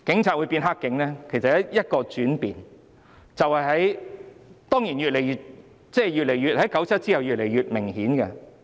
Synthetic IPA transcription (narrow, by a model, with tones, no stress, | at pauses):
kɪ˨˥ŋt͡sʰaː˨uː˨˧jpiː˧nɦaː˥kːɪ˨˥ŋlɛː˥kʰe˨˩sɐ˨t̚jɐ˨˥jɐ˥t̚kɔː˧t͡syː˨˥npiː˨n | t͡sɐ˨whɐ˨jɦɐ˨˥j | t̪ɔː˥ŋjiː˨˩nɥyː˨t̚le˨˩jɥyː˨˩t̚ | t͡sɛː˥˩jyː˨t̚le˨˩jyː˨t̚hɐ˨˥jkɐ˨˥wt͡sʰɐ˥t̚t͡si˥hɐ˨wjyː˨t̚le˨˩jɥyː˨t̚mɪ˨˩ŋhiː˨˥nkɛ˧